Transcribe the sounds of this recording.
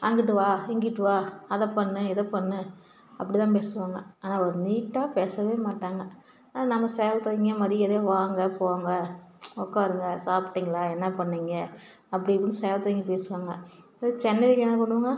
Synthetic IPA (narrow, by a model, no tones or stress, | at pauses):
a̰ŋɡɪʈ̬ːɯʋaːɪŋɡɪʈːɯʋaːɐðɐpɐɳːɯɛðɐpɐɳːɯ | ɐpːɐɽit̪ãːp̬eːsɯʋaːŋɡɐ̰aːnaːɔɾɯniːʈːaːpeːsɐʋeːmaːʈːaːŋɡɐ | naːnɐmːɐsɛjɐlt̪ɐɪŋɡɐmaːd̪ɾɪɛðeʋaːŋɡɐpoːʋaːŋɡɐɔkːaɾɯŋɡɐsaːpʈːiŋɡɐlaːɛnːɐpɐɳːiːŋɡɐ | ɐpːɐɽɪɐpːɐnːɯsɛjɐlt̪ɐɪŋɡɐpeːsɯʋaːŋɡɐ | t͡ʃɛnːɐʋɪkːɛnːap̬ɐɳːɯʋaːŋɡɐ